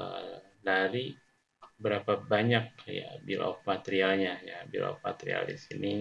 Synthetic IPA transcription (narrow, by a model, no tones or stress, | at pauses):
ə | daɾi | bəɾapabaɲak̚ja̰abilʔa̰k̚mat̪eɾialɲajaːbḭla̰k̚ma̰t̪eɾḭa̰ldisini